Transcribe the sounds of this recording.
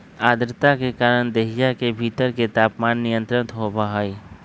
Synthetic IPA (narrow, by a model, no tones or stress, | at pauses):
aːd̪ɾt̪akekaːɾəɽ̃d̪eɦɪjakebʱiːt̪əɾket̪aːpmaːnːɪjə̃nt̪ɾənt̪ɦobaɦaːiː